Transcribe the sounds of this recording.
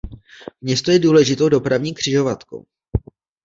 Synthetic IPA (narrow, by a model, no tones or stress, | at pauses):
mɲɛst̪ojɛduːlɛʒɪt̪o̞wdo̞pɾavɲiːkr̝̥ɪʒo̞vat̪ko̰w